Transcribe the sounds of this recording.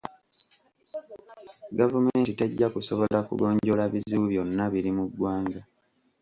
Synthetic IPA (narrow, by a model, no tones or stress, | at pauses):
ɡavumeːntiteɟːakusoβo̞lakṵɡo̞ːɲɟo̞laβiziβuβjo̞nːaβiɾimudwaːŋɡa